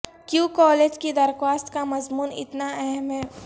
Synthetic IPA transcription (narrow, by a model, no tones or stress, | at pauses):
kjũːkɔːleːd͡ʒked̪ɐɾxwaːst̪kamɐzmuːnɪ̰t̪naɛɦɛmɦɛː